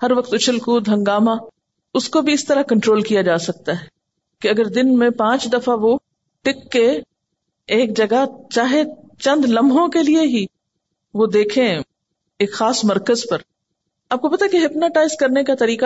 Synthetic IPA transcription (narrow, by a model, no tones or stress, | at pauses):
hɐɾʋɐq̚t̪ʊt͡ʃʰəlkuːd̪ʱɐ̃ŋɡaːma | ʊskobʱiɪst̪ɐɾakɐ̃ɳʈɾoːlkijad͡ʒaːsɐk̚t̪aɦɛː | kiɐɡəɾd̪ɪnmẽpãːt͡ʃd̪ɐfaʋo | ʈɪkːe | eːk̚d͡ʒɐɡat͡ʃaːɦe | t͡ʃɐ̃nd̪lɐmbʱõkelieɦi | ʋod̪eːkʰẽ | eːkxaːsmɐɾkəzpɐɾ | aːp̚kopɐt̪akeɦɪpnaʈaːɪzkɐɾnekat̪ɐɾiːka